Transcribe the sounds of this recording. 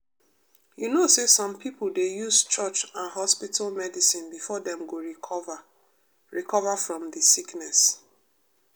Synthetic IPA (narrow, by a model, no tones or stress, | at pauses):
junosesɔ̃mpipl̩dejuzt͡ʃɔt͡ʃãnɦɔspitalmɛdisĩnbifɔdɛ̃mɡoɹiv | ɹikɔvafɹɔ̃mdisiknɛs